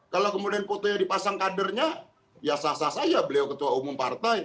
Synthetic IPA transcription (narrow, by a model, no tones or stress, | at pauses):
kalowkəmudianpot̪ojadipasaŋkadərɲa | jasasasad͡ʒabəliawkət̪uaumʊmpart̪aj